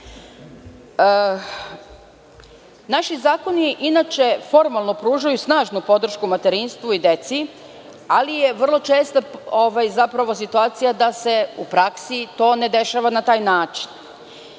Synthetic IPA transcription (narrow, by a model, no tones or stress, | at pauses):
ə | naʃizaːko̞niʔinat͡ʃe̞fo̞ɾmalˠno̞pɾuːʒajusnaːʒnupo̞d̪r̩ʃkumat̪e̞ɾinst̪ʋuid̪e̞t̪si | alije̞ʋr̩lˠo̞t͡ʃe̞ːst̪aoʋajzapɾaʋo̞s̬it̪uaːt̪sijad̪ase̞ṵpɾaksit̪o̞ːne̞d̪e̞ʃaːʋanat̪aːjnaːt͡ʃi̥n